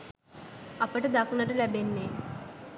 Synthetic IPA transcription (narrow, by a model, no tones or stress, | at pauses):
ɐpəʈəd̪aknəʈəlæbenːe